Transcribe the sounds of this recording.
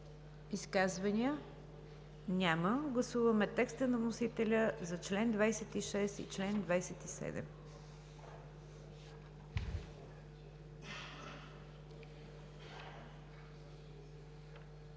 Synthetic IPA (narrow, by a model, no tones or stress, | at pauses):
iskazvɐnʲiə | nʲaməɡlˠɐsuvəmɛt̪ɛkst̪ənɐnosit̪ɛlʲəzɐt͡ʃlɛnd̪vajsɛt̪iʃɛsḭt͡ʃlɛnd̪vajsɛt̪isɛ̰d̪ɛ̰m